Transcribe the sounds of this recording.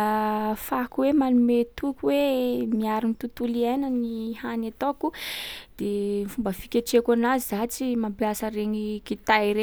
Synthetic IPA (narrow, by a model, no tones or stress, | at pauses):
fakuwemanumet̪ukuwemiaɾinit̪ut̪ulianənihanat̪okud̪̥emfumbəfikʲeʈ͡ʂekanaziat͡simampiasəɾeɲikit̪ajɾe